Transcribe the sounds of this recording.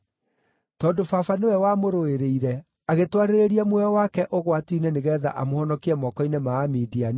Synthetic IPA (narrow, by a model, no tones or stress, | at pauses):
tɔːndofafanewɛwamoɾoeɾeiɾɛ | aɣetwaɾeɾeɾiamwɛɔwakɛʔoɣwatiːneneɣɛːða̰ʔamohɔnɔkiɛmɔkɔinemaːmidian